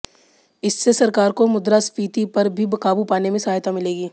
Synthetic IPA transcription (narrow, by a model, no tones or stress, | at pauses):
ɪsːesɐɾkaːɾkomʊd̪ɾaspiːt̪ipɐɾbʱibɐkaːbupaːnemẽsɐɦaːjt̪amɪleːɡiː